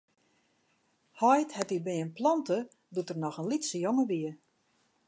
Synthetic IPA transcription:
hɔjthɛtibɪənplɔntə | dutərnɔxənlitsəjoŋəʋiə

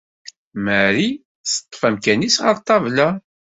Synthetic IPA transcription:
məɾi | sə̥t̪ˤːfæmkænisʁə̰ɾˤt̪ˤːɑvlæ

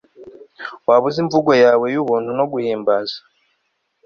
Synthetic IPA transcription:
waβuziɱvuɡojaːwe̞juβuːntuno̞ɡuhiːmbazḁ

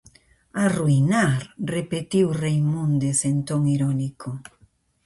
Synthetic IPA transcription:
aruinaɾrepet̪iwrejmũnd̪esent̪oŋiɾɔnikʰo

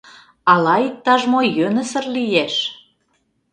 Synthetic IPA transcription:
ɑlɑik̚t̪ːɑʒmojønə̆sə̆rlijeʃ

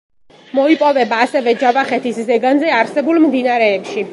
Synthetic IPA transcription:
mɔipʼɔvɛbaːsɛvɛd͡ʒavaχɛt̪ʰiszɛɡanzɛaɾsɛbulˠmd̪inaɾɛːpʃi

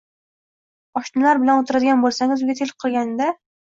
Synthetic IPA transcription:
ɒʃnɪlaɾbɪlanot̪ʰʊɾad̪ɪɡʲanbolˠsaŋɪzʊɡʲat̪ʰelqʰɨlˠɡʲand̪a

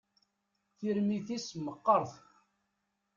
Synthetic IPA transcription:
θiɾmiθisməqːəɾˤθ

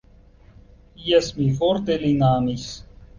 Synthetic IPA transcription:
jɛsmifoɾt̪elinaːmis

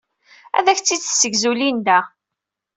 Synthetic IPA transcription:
æ̰ðæçt͡sːid̪sːəɡzulind̪æ

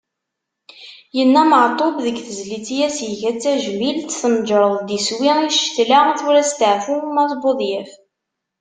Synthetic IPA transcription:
jənːæməʕt̪ˤobðəɡθəzlit͡sːijæsjəʝæt͡sːæʒmilt̪θəmd͡ʒɾˤəðˤd̪iswiiʃt̪laθuɾæst̪əʕfumæθboðˤjəf

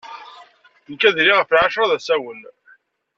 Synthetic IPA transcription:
nkæðliʁəflʕaʃɾˤɑðæsæwən

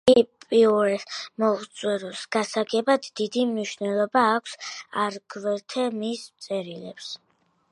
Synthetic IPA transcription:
ipʼiuɾɛmɔʁt̪sʼwɛɾusɡ̥asaɡɛbad̪ːid̪imniʃnɛlˠɔbaːkʷʰsaɾɡvɛɾt̪ʰɛmismt̪sʼɛɾilɛps

